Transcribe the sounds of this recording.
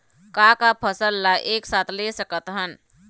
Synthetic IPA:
kakapʰəsəlːaʔeːksaːt̪ʰlesəkət̪ɦən

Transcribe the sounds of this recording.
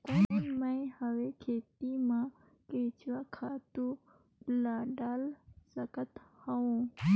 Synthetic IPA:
konməĩhəʋekʰeːt̪imã | ket͡ʃʰʋakʰaːt̪u | laːɖaːlsəkət̪həũ

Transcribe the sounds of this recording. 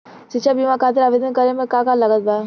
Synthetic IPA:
sit͡ʃʃʰabimakʰaːt̪ɪɾaʋeːd̪ənkəɾemẽkakalɐɡət̪̚baː

